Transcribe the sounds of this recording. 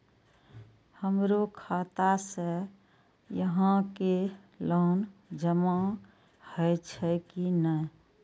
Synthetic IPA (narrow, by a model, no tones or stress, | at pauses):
həmɾokʰat̪asə | jəɦãke | laːnd͡ʒəma | hət͡ʃʰɛkinə